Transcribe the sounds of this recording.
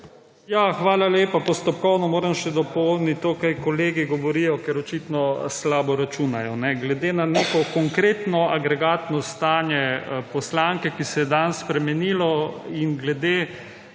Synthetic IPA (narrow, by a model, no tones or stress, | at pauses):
jaxʋaːlaleːpapɔst̪ɔpkɔwnɔmoːɾɐmʃɛd̪ɔpɔwnit̪ːoːkajkɔleːɡiɡɔʋɔɾijɔkɛɾɔt͡ʃit̪nɔslaːbɔɾat͡ʃunajɔnɛɡlɛd̪eːnaneːkɔkɔŋkɾeːt̪nɔʔaɡɾɛɡaːt̪nɔst̪aːnjɛpɔslaŋkɛkisɛjɛd̪anspɾɛmɛniːlɔinɡlɛd̪eː